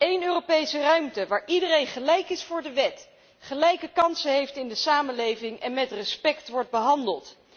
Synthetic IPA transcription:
ejnøːropejsərœɥmtəʋaːɹʔidərejnχəlɛjkɪsfʊːɹdəʋɛt | χəlɛjkəkɑnsəɦejftɪndəsaːmənlejvɪŋʔɛnmɛtrəspɛktʋɔɹt̚bəɦɑndəlˠt

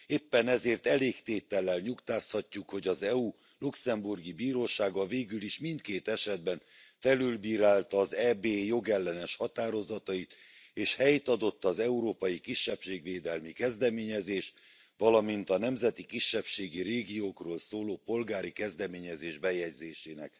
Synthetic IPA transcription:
eːpːɛnɛzeːrt̪ɛleːkt̪eːt̪ɛlːɛlɲukt̪aːshɒcːukho̞ɟɒzɛu | luksɛmburɡibiːɾoːʃaːɡɒveːɡyliʃmint̪̚keːt̪ɛʃɛd̪bɛn | fɛlylbiːɾaːlt̪ɒzɛːbeːjo̞ɡɛlːɛnɛʃhɒt̪aːɾo̞zɒt̪ɒit̪ | eːʃhɛjt̪ɒd̪o̞t̪ːɒzɛuɾoːpɒjikiʃːɛpʃeːɡʋeːd̪ɛlmikɛzd̪ɛmeːɲɛzeːʃ | ʋɒlɒmint̪ɒnɛmzɛt̪ikiʃːɛpʃeːɡiɾeːɡijoːkroːlsoːloːpo̞lɡaːɾikɛzd̪ɛmeːɲɛzeːʒbɛjɛɟzeːʃeːnɛ̰k

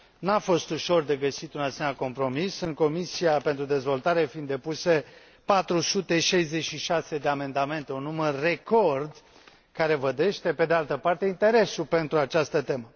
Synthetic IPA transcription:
nafo̞st̪uʃo̞rd̪e̞ɡəsit̪unasemenʲako̞mpɾo̞misɨŋko̞misiape̞nt̪ɾud̪e̞zvo̞lt̪aɾe̞find̪ːe̞puse̞ | pat̪ɾusut̪e̞ʃajze̞t͡ʃʃiʃase̞d̪e̞ame̞nd̪ame̞nt̪e̞unːumərːe̞ko̞rd̪ | kaɾe̞vəd̪e̞ʃt̪e̞pe̞d̪ealt̪əpart̪e̞int̪e̞ɾe̞supe̞nt̪ɾuat͡ʃast̪ət̪e̞mə

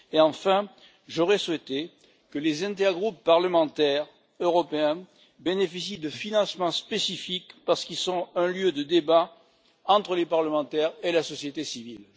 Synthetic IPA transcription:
eɑ̃fɛ̃ | ʒɔʁɛswɛt̪e | kəlezɛ̃t̪̬ɛʁɡʁupːaʁləmɑ̃t̪ɛʁ | øʁɔpeɛ̃ | benefisid̪əfinɑ̃səmɑ̃spesifikpaʁsə̥kilsɔ̃ɛ̃ljød̪əd̪eba | ɑ̃t̪χəlepaʁləmɑ̃t̪ɛʁelasɔsjet̪esivil

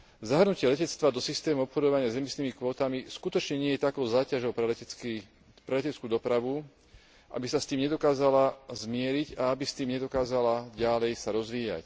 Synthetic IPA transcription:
zaɦr̩nucɪɛlɛcɛt͡st̪ʋad̪ɔsist̪ɛːmuɔpxɔd̪ɔʋaɲɪazɛmisniːmikʋɔːt̪amiskut̪ɔt͡ʃɲɛɲɪɛjɛt̪akɔʊzaːcaʒɔʊpɾ | pɾɛlɛcɛt͡skuːd̪ɔpɾaʋu | ʔa̰bisast̪iːmɲɛd̪ɔkaːzalazmɪɛɾiɟaabist̪iːmɲɛd̪ɔkaːzalaɟalɛjsaɾɔzʋiːja̰c

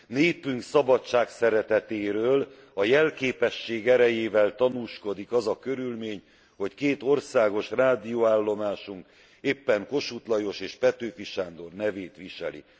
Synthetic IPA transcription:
neːpyŋksɒbɒtt͡ʃːʃaːksɛɾɛt̪ɛt̪eːɾøːl | ɒjɛlkeːpɛʃːeːɡɛɾɛjeːvɛlt̪ɒnuːʃko̞d̪ikɒzɒkø̞ɾylmeːɲ | ho̞ckeːt̪o̞rsaːɡo̞ʃraːd̪ijoaːlːo̞maːʃuŋk | eːpːɛŋko̞ʃut̪lɒjo̞ʃeːʃpɛt̪øːfiʃaːnd̪o̞rnɛveːt̪ʋiʃɛ̰lḭ

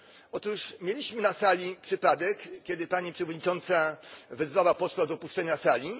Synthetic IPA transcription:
ɔt̪uʂmʲjelʲiɕmɘnasalʲipʂɘpad̪ɛkkʲɛd̪ɘpaɲipʂɛvɔd̪ɲit͡ʂɔnt̪savɛzvawapɔswad̪ɔpuʂt͡ʂɛɲasalʲi

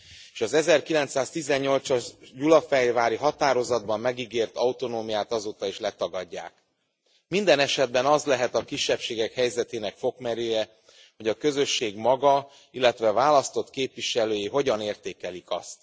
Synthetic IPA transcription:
eːʃɒzɛzɛrkilɛnt̪saːst̪izɛɲːo̞lt̪sɒɟulɒfɛjvaːɾiɦɒt̪aːɾo̞zɒd̪bɒmːɛɡiɡeːrt̪ɒut̪o̞noːmijaːt̪ɒzoːt̪ɒeːʃlɛt̪ɒɡɒɟːa̰ːk̚ | mind̪ɛnɛʃɛd̪̚bɛnɒzlɛɦɛt̪ɒkiʃːɛpʃeːɡɛkhɛjzɛt̪eːnɛkfo̞kmɛɾøːjɛ | ho̞ɟɒkø̞zø̞ʃːeːɡmɒɡɒ | ilːɛt̪ʋɛvaːlɒst̪o̞t̪keːpvʋiʃɛløːjiɦo̞ɟɒneːrt̪eːkɛlikɒ̰st̪

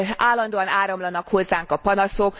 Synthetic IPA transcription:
aːlːɒnd̪oːɒnaːɾɒmlɒnɒkho̞zːaːŋkɒpɒnɒso̞k

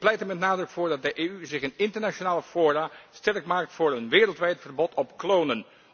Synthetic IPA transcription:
plɛjtəmɛtnaːdrɵkfʊːɹdɑt̚dəʔeːyzɪχənɪntəɹnat͡ʃonaːləfoːrastɛrkmaːk̚tfʊːɹənʋɪːrəlˠtʋɛjtfərbɔtʰɔpklownən

